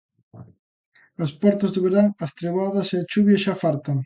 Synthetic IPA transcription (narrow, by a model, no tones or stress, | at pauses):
ɐspɔɾt̪ɐzðeβeɾaŋɐst̪ɾeβaðɐseɐt͡ʃuβjɐʃafalt̪ɐŋ